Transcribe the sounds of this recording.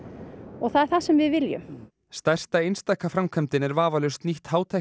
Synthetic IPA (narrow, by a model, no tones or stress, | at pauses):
ɔɣθaðɛɾ̥θasɛmvɪðvɪljʏ̰m | st̪ɛr̥t̪aejnst̪ajkafɾamkʰɛmt̪ɪnɛɾvaːvalʏst̪niht̪haːwt̪ʰa